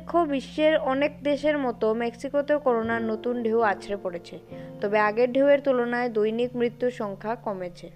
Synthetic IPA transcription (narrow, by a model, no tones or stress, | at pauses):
kʰːobiʃːeɾɔnek̚d̪eʃeɾmɔt̪omɛksikot̪eokɔɾonaɾnot̪unɖʱewat͡ɕʰɾepoɽet͡ɕʰet̪ɔbeaɡeɾɖʱeweɾt̪ulonaed̪ojnikmɾit̪ːuʃɔŋkʰakɔmet͡ɕʰe